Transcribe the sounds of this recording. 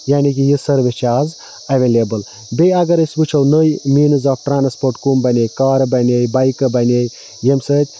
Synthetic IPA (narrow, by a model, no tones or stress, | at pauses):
jaːnik̬ijɨsəɾʋet͡ʃʰaːz | ɐʋelebəl | beɐɡəɾəsʲbut͡ʃʰɐwnəjmiːnɨzaːfʈɾaːnspoːɾʈkumbɐnʲejkaːɾbɐnʲejbajkɨbɐnej | jemsət̪ʲ